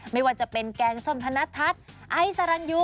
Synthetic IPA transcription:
ma˥˩jwaː˧˥˩t͡ɕa˨˩pe˧nkɛː˧˩ŋso˧˩mt̪ʰa˧na˦˥t̪ʰa˦˥t̪̚ʔa˧˥jsa˧ɾa˧˥nju˦˥

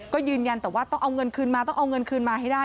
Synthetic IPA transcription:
kɔ˨˦zɨ˨nɲa˨˧˩nt̪ə˨˧˩wʔaː˨˦˥t̪ɔ˨˦ʔə˧wŋ͡mŋə˨˧˩nkʰɨ˨˧ənmaː˨˧˩t̪ɔ˧˦wʔə˧wŋ͡mŋə˨˧˩nkʰɨ˨˩ənmaː˨˩hɛ˧˦aː˧

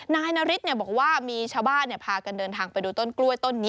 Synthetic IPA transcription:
naː˧jna˧˥ɾi˦˥t̪̚ni˥˩bɔː˨˩k̚waː˥˩miː˧t͡ɕʰaː˧wbaː˥˩nːi˥˩ɐpʰaː˧ka˧ndɤː˧nt̪ʰaː˧ŋpa˧jduː˧t̪o˥˩nklu˥˩əjt̪o˥˩nːiː˦˥

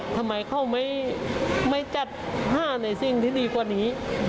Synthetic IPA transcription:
t̪ʰa˧ma˨˦jkʰa˧˩wma˧˥˨j | ma˧˥˨jt͡ɕa˧˩t̪̚ɦaː˧˥˩na˧˩jsi˧ŋt̪ʰiː˧˩diː˧kwaː˧˩niː˦˥

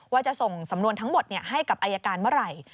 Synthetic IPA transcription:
waː˧t͡ɕa˨˩ʔso˨˩ŋsa˩˦mnu˧ənt̪ʰa˦˥ŋmo˨˩t̪̚ni˥˩ɐɦa˥˩jka˨˩p̚ʔaː˧jaː˧kaː˧nmɯ˥˩˨ɾa˨˩j

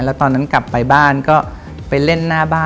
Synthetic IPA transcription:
lɛː˦˥wt̪ɔː˧nːa˦˥nkla˨˩pːa˧jbaː˥˩nkɔː˥˩ | pa˧jle˥˩nːaː˥˩baː˥˩

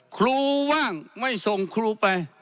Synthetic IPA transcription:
kʰɾuː˧waː˥˩ŋma˥˩jso˧ŋkʰɾuː˧pa˧j

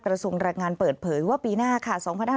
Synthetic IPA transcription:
kɾa˧su˧əŋɾaː˧jŋaː˧npɤː˨˩t̪̚pʰɤː˩˦jwaː˥˩piː˧naː˥˩kʰa˥˩sɔː˩˦ŋpʰa˧nhaː˥˧

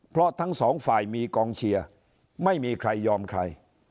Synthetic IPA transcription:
pʰɾɔ˦˥t̪ʰa˦˥ŋsɔː˩˦ŋfaː˨˩jmiː˧kɔː˧ŋt͡ɕʰi˧ɐ | ma˥˩jmiː˧kʰɾa˧jːɔː˧mkʰɾa˧j

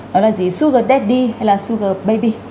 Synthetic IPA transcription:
ɔ˨˦laː˨˩zi˨˩su˧ɣə˨˩t̪ɛ˦˥t̚ɗi˧ha˧jlaː˨˩su˧ɣə˨˩ɓə˧jɓi˧

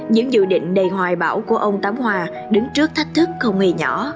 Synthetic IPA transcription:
ɲɨ̰˧˥ŋzṵ˧˨ɗḭ˧˨ŋ̟ɗə˨˩jɦwaː˨˩jɓaː˧˩wku˧˩əʔə˧wŋ͡mt̪aː˨˦mhwaː˧ | ɗɨ˨˦ŋt͡ɕɨ˦˥ək̚t̪ʰa˦˥jk̟̚t̪ʰɨ˦˥k̚xə˧wŋ͡mŋe˧˩ɲɔ˧˩˦

